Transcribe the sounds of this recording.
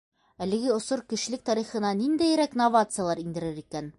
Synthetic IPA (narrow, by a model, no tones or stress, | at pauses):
ælɘ̆ɡɘŏsoɾkɘ̆ʃɘ̆lɘk̚t̪ɒɾiχɤ̆nɑnind̪æjɾæknovat̪sɨjalˠɑɾind̪ɘ̆ɾɘɾikæn